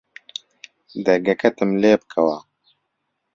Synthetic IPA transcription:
d̪ɐɡɐkɐt̪ɨmleːp̚kʰɐwaː

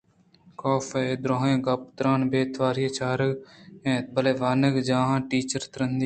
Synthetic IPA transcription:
koːfʰeːd̪ɾoːɦẽːɡɐp̚t̪ɾaːnbeːt̪ʰʋaːɾɪjeːt͡ʃaːɾəɡẽːbəleːʋaːnəɡd͡ʒãːɦãːʈiːt͡ʃəɾt̪əɾənd̪iː

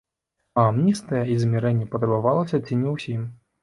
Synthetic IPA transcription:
ɐmnʲist̪ɐjɐizʲmʲɛɾɛnʲːɛpɐt̪ɾɐbavalˠɐsʲɐt͡sʲinʲɛwsʲim

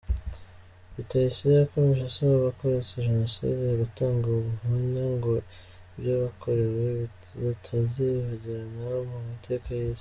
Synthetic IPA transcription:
βitajisiβakomeʃasaβaβako̞ɾet͡seʒeno̞sḭdeɾutaːŋɡauβuɦuɲaŋɡo̞ | bjaβakʰo̞ɾe̞wweβ | tʰaziβuɟiɾanamumitʰe̞kajez

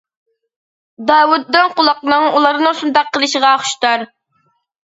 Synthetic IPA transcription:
d̪ɑːwud̪ːɨnqʊlˠɑq̚nɨŋulˠɑɾnɨŋsund̪ɑqʰːəlˠɨʃəʁɑːχʃt̪ɑɾ

